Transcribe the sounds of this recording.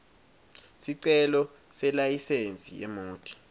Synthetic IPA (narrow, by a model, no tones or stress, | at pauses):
siǀɛlɔ | sɛlajisent͡sʼḭɛ̰moːtʰʼi̥